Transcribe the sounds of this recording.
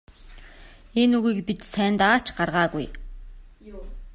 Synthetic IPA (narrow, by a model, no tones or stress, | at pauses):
enuɣiːkpit̪sæːnt̪aːt͡ɕɢarʁaːɣuj